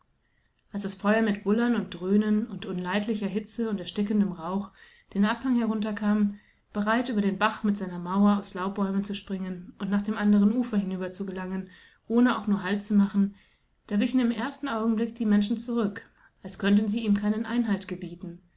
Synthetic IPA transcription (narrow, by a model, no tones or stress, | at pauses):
ʔalsd̥asfɔʏɐmɪtb̥ʊlɐnʊnt̚d̥ʁøːnənʊntʔʊnlaɪtlɪçɐɦɪt͡səʊntɛɐʃtɪkən̩dəmʁaʊχ | d̥eːnʔaphaŋhɛɐʁ̞ʊntɐkʰaːm | b̥əʁaɪtʔyːbɐɾeːnbaχmɪtz̥aɪnɐmaʊɐaʊslaʊb̥ɔʏmənt͡suʃpʁ̥ɪŋənʊntnaːχd̥eːmʔandəʁənʔuːfɐhɪnyːbɐt͡suɡəlaŋən | ʔoːnəa̰ʊxnuːɐɦaltt͡sumaχn̩ | d̥aːɐvɪçn̩ɪmʔeːɐstn̩ʔaʊɡŋ̩blɪk̚d̥iːmɛnʃn̩t͡suʁʏk | ʔalskʰœntn̩ziːiːmkʰaɪnənʔa̰ɪnɦaltɡ̥əbiːtn̩